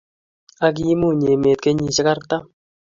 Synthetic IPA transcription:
a˦k̬i˦mu˦˨ɲe˨meː˨t̪̚ke˦ɲi˨t͡ʃɪ˦ka˦rta˦

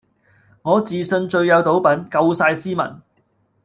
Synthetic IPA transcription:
ŋɔː˨˧t͡siː˨sɵ˧nt͡ʃɵ˧ɥjɐ˨˧wt̪o˨˥wpɐ˨˥nkɐ˧wsaː˧jsiː˥mɐ̰˨˩n

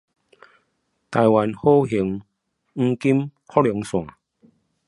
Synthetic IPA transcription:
t̪a˨˧jwa˨˦nho˦ɦi˨˦ŋ | ŋ̩˧ki˦mkʰɔ˦˥ljɔ˨˦ŋsw̃ã˨˩˨

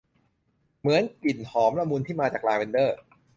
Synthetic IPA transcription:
mɯ˩˦ənki˨˩nhɔː˩˦mɾa˧muː˧nt̪ʰiː˥˩maː˧t͡ɕaː˨˩klaː˧wi˧ndɤː˥˩

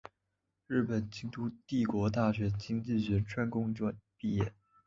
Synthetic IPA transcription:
ɻ̩˥˩pə˨˩nt͡ɕi˥ŋt̪u˥t̪i˥˩kwɔ˧˥t̪̬a˥˩ɕɥɛ˧˥t͡ɕi˥ŋt͡ɕi˥˩ɕɥɛ˧˥nʈ͡ʂʰwa˥nkʊ˥ŋʈ͡ʂwɔ˥˧npi˥˧jɛ˥˩

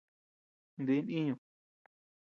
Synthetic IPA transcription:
nd̪i˧˦nĩ˦ɲũ˨˧

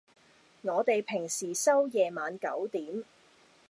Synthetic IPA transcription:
ŋɔː˨˧t̪e˨jpʰɪ˨˩ŋsiː˨˩sɐ˥wjɛː˨maː˨˧nkɐ˨˥wt̪iː˨˥m

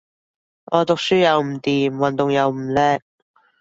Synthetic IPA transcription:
ŋʔɔː˨˧t̪ʊ˨k̚syː˥jɐ˨˧wm̩˨˩t̪iː˨mwɐ˨nt̪ʊ˨ŋjɐ˨˧wm̩˨˩lɛː˥k̚

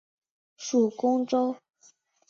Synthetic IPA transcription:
ʂu˨˩kʊ˥ŋʈ͡ʂo˥ʊ

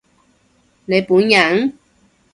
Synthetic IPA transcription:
ne˨˧jpuː˨˥njɐ˨˥n

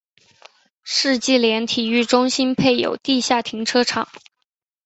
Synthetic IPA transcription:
ʂɻ̩˥˧t͡ɕi˥˩ljɛ˧˥nt̪ʰi˨˩y˥˩ʈ͡ʂʊ˥ŋɕi˥npʰe˥˩ɪjo̰˨˩ʊt̪i˥˧ɕja˥˩t̪ʰi˧˥ŋʈ͡ʂʰɤ˥ʈ͡ʂʰɑ˨˩˦ŋ

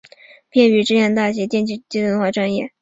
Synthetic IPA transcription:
pʰjɛ˥˩ny˧˥ʈ͡ʂɻ̩˥˧jɛ˥˧nt̪a˥˩ɕ̬jɛ˧˥t͡ɕjɛ˥˧nt͡ɕi˥˩t͡ɕi˥˧swə˥˧nxwa˥˧ʈ͡ʂwa˥˧njɛ˥˩

